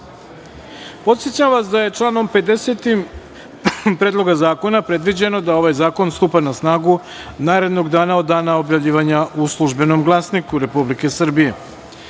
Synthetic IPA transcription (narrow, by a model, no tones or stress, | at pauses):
po̞t̪sjet͡ɕamʋasd̪aje̞t͡ʂlˠaːno̞mpe̞d̪eset̪im | pɾeːd̪lˠo̞ɡazaːko̞napɾe̞d̪ʋid͡ʑe̞no̞d̪ao̞ʋajzaːko̞nst̪upanasnaːɡu | naːɾe̞d̪no̞ɡd̪aːnaod̪ːaːnao̞bjavʎiːʋaɲaʔuslˠuʒbe̞no̞mɡlˠasnikuɾe̞publike̞sr̩bije̞